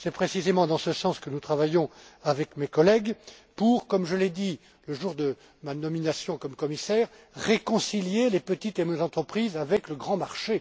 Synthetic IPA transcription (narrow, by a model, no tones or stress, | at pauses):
sɛpχesizemɑ̃d̪ɑ̃səsɑ̃skənut̪χavajɔ̃avɛkmekɔlɛɡ | puʁkɔmʒəled̪i | ləʒuʁd̪ə | manɔminasjɔ̃kɔmkɔmisɛʁ | ʁekɔ̃siljelepət̪it̪emøzɑ̃t̪χəpχizavɛkləɡʁɑ̃maʁʃe